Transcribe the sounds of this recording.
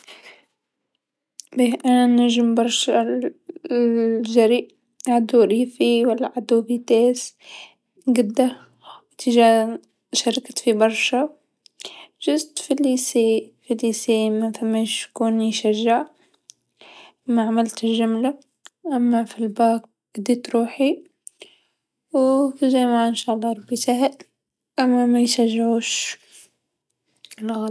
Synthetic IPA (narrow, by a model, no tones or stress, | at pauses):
beʔananaʒmbɑɾˤʃa | ʒaɾiʔ | ʕad̪uɾiːfiwalːaʕad̪ufit̪eːs | ɡɪd̪ːa | wɪt̪ɪʒa | ʃɑɾˤɑkt̪fibɑɾˤʃa | ʒʊzt̪filisifilisimafamːeʃkuːnjʃaʒːaʕ | ʔmaʕamalt̪ɪlʒʊmla | ʔamːafilbaːk̚ | d̪it̪ɾuːħi | wkʒamaʕʔɪnʃaːʔlˤːɑɾˤbit̪ahɪl | ʔamːamajʃaʒːʕuːʃ | lɣa